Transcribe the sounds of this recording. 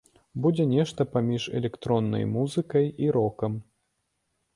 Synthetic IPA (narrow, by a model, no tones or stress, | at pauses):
bud͡zʲɛnʲɛʂt̪ɐpamʲiʂɛ̰lʲɛkt̪ɾɔnːɐ̰jmuzɨkɐjiɾɔkɐm